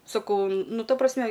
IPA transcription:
sɐˈkɐʊ ˈnʊ ˈtɐ prɐsʲˈmʲɛ

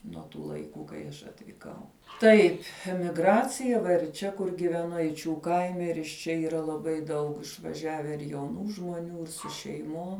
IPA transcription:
nuɔ tuː lˠɐɪˈkuː kɐɪ ˈɐʃ ɐtʲʋʲiːˈkɐʊ ˈtɐɪpʲ mʲɪɡˈrɑːt͡sʲɪjɛ ʋɐ ɪr ˈt͡ʃʲɛ kʊr ɡʲɪʋʲɛˈnʊ ɛɪˈt͡ʃʲuː ˈkɐɪmʲɛ ɪr ɪʃ ˈt͡ʃʲɛ iːˈrɐ lˠɐˈbɐɪ ˈdɐʊk ɪʃʋɐˈʒʲæːʋʲɛ ɪr jɛʊˈnuː ʒmuɔˈnʲuː ɪr sʊ ʃʲɛɪˈmoːm

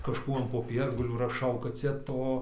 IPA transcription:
kɐʃˈkuː ɐn poːˈpʲiɛrɡɐlʲuː rɐˈʃɐʊ kɐt ˈt͡sʲɛ ˈtoː

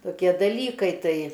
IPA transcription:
toːˈkʲiɛ dɐˈlʲiːkɐɪ ˈtɐɪ

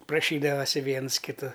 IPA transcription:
prɐˈʃʲiːdɐʋɐsʲɪ ˈʋʲiɛns kʲɪˈtʊ

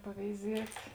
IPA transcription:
pɐʋʲɛɪˈzʲiɛtʲ

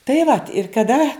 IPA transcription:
tɐɪ ʋɐt ɪr kɐˈdɐ

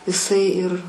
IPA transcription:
ɪˈsɐɪ ɪr

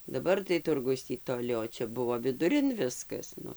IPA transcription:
dɐˈbɐr tɐɪ ˈtʊrɡʊs ˈtʲiː toːˈlʲɪ oː ˈt͡ʃʲɛ ˈbʊʋoː ʋʲɪdʊˈrʲɪn ˈʋʲɪskɐs ˈnʊ

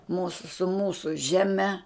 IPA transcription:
ˈmuːsʊ sʊ ˈmuːsʊ ˈʒʲæːˈmʲɛ

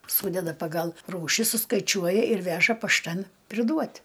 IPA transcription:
ˈsuːdʲɛdɐ pɐˈɡɐlˠ ˈruːʃʲɪ sʊskɐɪˈt͡ʃʲuɔjɛ ɪr ˈʋʲæːʒɐ pɐʃˈtɐn pʲrʲɪˈduɔtʲ

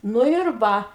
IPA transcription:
ˈnʊ ɪr ˈʋɐ

